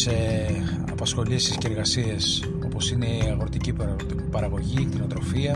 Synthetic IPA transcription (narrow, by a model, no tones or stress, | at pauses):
se | ɐ̰pɐsxo̞lisisceɾɣɐsies | o̞po̞sine̞iɐɣoɾot̪ici | pɐɾɐɣo̞ʝikt̪inot̪ɾo̞fiɐ